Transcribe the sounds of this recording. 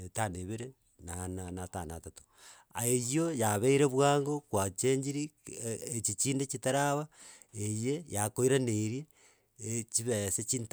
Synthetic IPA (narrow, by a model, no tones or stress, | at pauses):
etaneβeɾe | nananatanatato̥ | a̰ejjojaβeiɾeβwaːŋɡokwat͡ʃeɲd͡ʒiɾiet͡ʃit͡ʃiːndet͡ʃitaɾaβa | ejejakoiɾaneɾje | t͡ʃiβeset͡ʃiːnt